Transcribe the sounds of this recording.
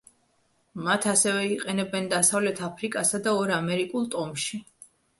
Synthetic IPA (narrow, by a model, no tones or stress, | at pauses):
mat̪ʰasɛvɛiqʼɛnɛbɛnd̪asavlɛt̪ʰapʰɾikʼasad̪aɔɾamɛɾikʼulˠt̪ʼɔmʃi